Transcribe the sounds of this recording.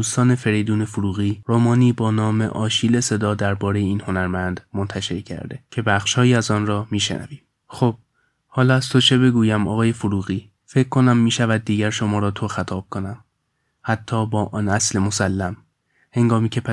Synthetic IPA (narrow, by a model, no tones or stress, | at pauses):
uːst̪ɒːne̞fe̞ɾejd̪uːne̞foɾuːɣiːɾomɒːniːbɒːnɒːme̞̰ʔɒːʃiːlese̞d̪ɒːd̪æɾbɒːɾe̞jeiːnho̞næɾmænd̪̥mont̪ʰæʃeɾcʰæ̰ɾd̪e̞̰cʰe̞bæxʃhɒːjiːæzɒːnrɒːmiːʃḛnʔæ̰viːm | xob̥̚ | hɒːlɒːæz̥t̪ʰo̞t͡ʃʰe̞be̞ɡuːjæmɒ̰ːɣɒːje̞foɾuːɣiː | fecʰkʰːo̞næmːiːʃævæd̪̚ːiːɟæɾʃo̞mɒːɾɒːt̪ʰo̞xæt̪ʰɒːb̥̚kʰo̞næm | hæt̪ʰːɒːbɒːʔɒnæsle̞mo̞sælːæm | he̞ŋɡɒːmiːcʰe̞pʰæ